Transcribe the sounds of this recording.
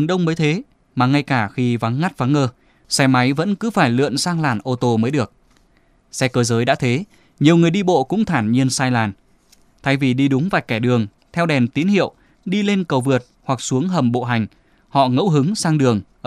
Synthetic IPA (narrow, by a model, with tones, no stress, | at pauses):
ŋɗə˧wŋ͡mməː˨˦jt̪ʰe˨˦ | maː˨˩ŋa˧jkaː˧˩xi˧va˨˦ŋːa˦˥t̚va˨˦ŋːəː˧ | sɛ˧jma˨˦jvə̰˧˥nkɨ˨˦faː˧˩jlɨ̰˧˨ə˨nsaː˧ŋlaː˧˩nʔo˧t̪o˧məː˨˦jɗɨ˨˩ək̚ | sɛ˧kəː˧zəː˨˦jɗa̰ː˧˥t̪ʰe˨˦ | ɲi˨˩əwŋɨ˨˩əjɗi˧ɓo̰˧˨kʊ̰˧˥ŋ͡mt̪ʰaː˧˩nɲi˧ənsaː˧jlaː˨˩n | t̪ʰaː˧˩jvi˨˩ɗi˧ɗʊ˨˦ŋ͡mvaː˨˩jkɛ˧˩ɗɨ˨˩əŋ | t̪ʰɛ˧wɗɛ˨˩nt̪i˨˦nhḭ˧˨əw | ɗi˧le˧nkə˨˩wvɨ˨˩ət̚hwa˨˩k̚su˨˦əŋɦə˨˩mɓo̰˧˨ɦa˨˩jŋ̟ | hɔ̰˧˨ŋə̰˧˥wɦɨ˨˦ŋsaː˧ŋɗɨ˨˩əŋʔ